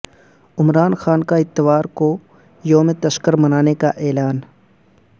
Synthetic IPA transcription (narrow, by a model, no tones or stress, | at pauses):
ɪmɾaːnxaːnkaɪt̪ːɪʋaːɾko | joːmẽt̪ɐʃkəɾmɐnaːnekaʔɛːlaːn